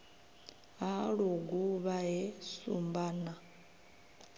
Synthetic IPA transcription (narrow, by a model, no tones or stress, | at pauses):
ɦaɺuɡuβaɦɛsṵmbaːna